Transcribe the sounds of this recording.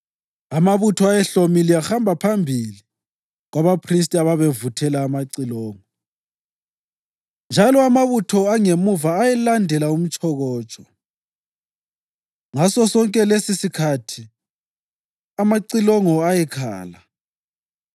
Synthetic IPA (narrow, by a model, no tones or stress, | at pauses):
amaβutʰɔajɛɬomiliaxambʱapʰambʱili | ɣwaβapʰris̬tʼiaβaβevutʰɛlaːmaǀilɔːŋɔ | nd͡ʒʱalɔamaβutʰɔaŋemuvaːjɛlandʱɛlaum̩t͡ʃʰʼɔɣɔːt͡ʃʼɔ | ŋasɔsɔŋkʼɛlesisikʰatʰi | amaǀilɔŋɔajɛkʰa̰ːla